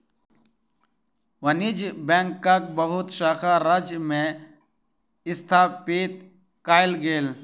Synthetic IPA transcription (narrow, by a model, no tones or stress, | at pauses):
ʋɐnid͡ʒbẽŋkːak̚bɐɦʊt̪ʃaːkʰaɾɐd͡ʒmẽ | ɪst̪ʰaːpeːt̪̚ | kaːjlɡeːl